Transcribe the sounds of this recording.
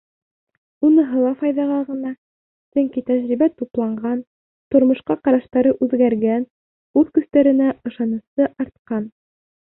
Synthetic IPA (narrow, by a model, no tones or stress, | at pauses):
unɤ̆ɦɤlˠɑfɑjðɑʁɑʁɤ̆nɑ | sɵŋkit̪æʑɾiβæt̪uplˠɑɴɢɑn | t̪ŏɾmŏʃqɑqɑɾɑʃt̪ɑɾɤʔʉðɡæɾɡæn | ʉðkɵ̆st̪æɾɘ̆næɤ̆ʃɑnɤ̆sɤʔɑɾt̪̚qɑn